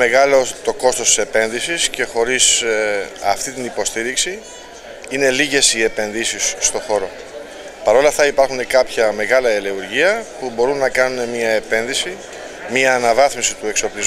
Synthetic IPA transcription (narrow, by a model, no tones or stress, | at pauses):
e̞ɣɐlo̞t̪o̞ko̞st̪o̞st̪ise̞pe̞nðisisce̞xo̞ɾis | ɐft̪it̪inipo̞st̪iɾiksi | ine̞liʝe̞sie̞pe̞nðisisːt̪o̞xo̞ɾo̞ | pɐɾo̞lɐft̪ɐipɐɾxune̞kɐpçɐme̞ɣɐlɐeleuɾʝiɐpubo̞ɾunːɐkɐnune̞miɐe̞pe̞nðisi | miɐːnɐvɐθmisit̪ue̞kso̞pliz